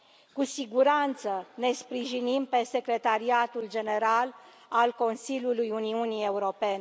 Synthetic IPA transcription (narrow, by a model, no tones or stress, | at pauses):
kusiɡuɾant̪səne̞spɾiʒinimpe̞se̞kɾe̞t̪aɾiat̪uld͡ʒe̞ne̞ɾal | alko̞nsilʲjulujuniunie̞uɾo̞pe̞ne